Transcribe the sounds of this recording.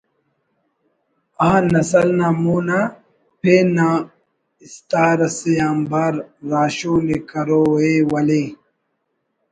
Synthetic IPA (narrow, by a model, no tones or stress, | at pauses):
ãːnɐsɐlnamuna | peːna | ist̪aːɾɐsejãːmbaːɾːaːɕoːnekɐɾoːeːwɐle